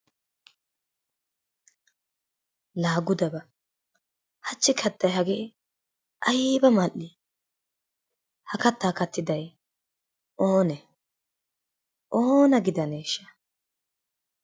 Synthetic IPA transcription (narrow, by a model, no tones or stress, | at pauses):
laːɡʊd̪ɐbɐ | hɐt͡ʃːɪkʰɐt̪ːɐjɦɐɡeː | ʔɐjbɐmɐʔi | hɐkɐt̪ːaːkɐt̪ːɪd̪ɐj | ʔoːnɛ | ʔoːnɐɡɪd̪ɐneːʃːɐ̥